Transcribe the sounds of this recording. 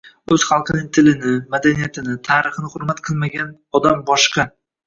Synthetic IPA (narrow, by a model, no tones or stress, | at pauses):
ɵz̥χɑlˠqʰɨnɪŋt̪ʰɪlɪnɪmad̪anijat̪ʰɪnɪt̪ʰaːɾɨχɨnɪhʊɾmat̪qʰɨlˠmaɡʲan | ɒd̪ambɒʃqʰɑ